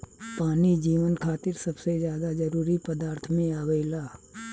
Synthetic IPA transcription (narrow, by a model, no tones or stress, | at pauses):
paːnid͡ʒiːʋənkʰaːt̪ɪɾsɐbsed͡ʒjaːd̪ad͡ʒɐɾuːɾipəd̪aːɾt̪ʰmẽaːʋeɪlaː